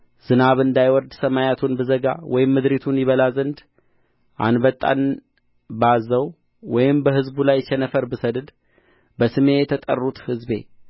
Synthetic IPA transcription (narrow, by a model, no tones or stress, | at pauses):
z̥ɨnaβɨnd̪ajwɔɾd̪səmajat̪ʰunbɨzəɡa̰wɔjɪmːɨd̪ɾit̪ʰunjɪβəlazənd̪ | ʔa̰nbət̪ʼːa̰n | bazəw | wɔjɪmbəhɨzbulajt͡ʃɛnəfəɾbɨsəd̪ɨd̪ | bəsɨme̞jɛt̪ʰət̪ʼə̰rːut̪hɨzbe̞̰